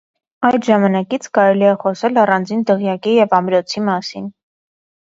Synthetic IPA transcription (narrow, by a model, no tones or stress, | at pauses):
ɑjd̪ʒɑmɑnɑkit͡sʰkɑɾɛliɛχɔsɛlɑrɑnd͡zind̪əʁjɑkijɛvɑmɾɔt͡sʰimɑsin